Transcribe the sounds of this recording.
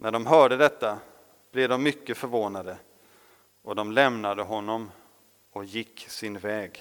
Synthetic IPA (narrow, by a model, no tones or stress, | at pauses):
næɖɔmɦœːɖəd̪ɛt̪ːa | b̥lɛvd̪ɔmːʏkːəfœɾvoːnad̪ə | ɔd̪ɔmlɛmnad̪əɦɔnːɔm | ɔjɪkːsɪnvɛːɡ